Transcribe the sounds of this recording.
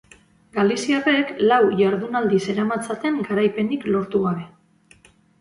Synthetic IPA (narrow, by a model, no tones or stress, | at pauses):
ɡalisiareklawjaɾðunald̪ise̞ɾamat͡sat̪e̞ŋɡaɾajpe̞niklo̞ɾt̪uɣaβ̞e̞